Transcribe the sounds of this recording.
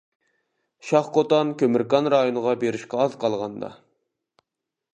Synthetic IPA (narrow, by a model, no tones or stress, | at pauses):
ʃɑχqot̪ɑnkʲʰømɪɾkɑnɾɑjonəʁɑbeɾɪʃkʲɛɑzqʰɑlˠʁɑnd̪ɑ̰